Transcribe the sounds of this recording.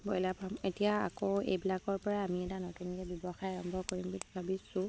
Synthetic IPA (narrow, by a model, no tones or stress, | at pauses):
bɔjlabʰʱametijaa̰koḛjbilakɔɹpɔɹaːmiɛtanotunkɛbjɔbɔxajaɹɔmbʱɔkoɹimbubʱabisʊ̃